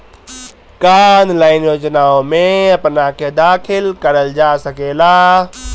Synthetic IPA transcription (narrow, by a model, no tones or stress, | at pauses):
kanlaɪnjod͡ʒnaõmeəpnaked̪akʰilkəɾəld͡ʒasəkela